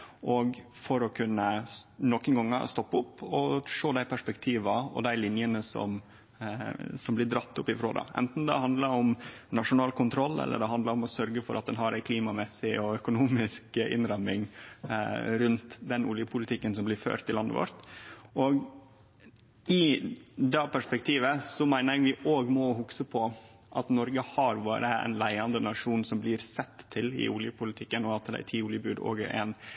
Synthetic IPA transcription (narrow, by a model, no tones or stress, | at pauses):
ʔɔɡ | fɔɾɔkʰʉnːənɔkːənɡɑŋːə̰st̪ɔpːəʊpːɔʂoːd̪æɪpʰæʂpɛkt̪ʰiːʋɑɔ̰d̪æɪlɪnjənəsɔ̰m | sɔmblɪɖ̪ɾɑt̪ːʊpːɪfɾo̰ːd̪ə̰ʔɛ̰nt̪n̩d̪ɛ̰hɑnd̪ləɾɔmnɑʂʊnɑːlkʰʊnt̪ʰɾɔlːɛ̰lːʔə̰ɖɛɦɑnd̪ləɾɔmɔsœɾɡəfɔɾʔɑt̪̚d̪ɛnɦɑɾæɪkʰliːmɑmɛsɪɔœkʊnuːmɪskʔɪ̰nɾɑmɪŋ | ɾʉnt̪d̪ɛnʔuːljəpʰʊlɪt̪ʰɪkːəns̬ɔmblɪɾfø̰ːɾt̪ʰːɪlɑnːə̰ʋɔ̰ɾt̪ɔːɡ | ɪd̪ɛpʰæʂpɛk̚t̪ʰiːʋəsɔmæɪnəɡʋɪʔoːɡmɔɦʊksəpʰɔ | ʔɑt̪nɔɾɡəhɑɾʋɑːɾəæ̰ɪnlæɪɑnd̪ənɑʂuːnsɔmblɪɾsɛt̪ʰːɪlɪ̰ʔuljəpʰʊlɪt̪ʰɪkːənɔɑt̪̚d̪ɛ̰æ̰t̪ʰiːuːljəbʉːd̪o̰ːɡəʔɛ̰n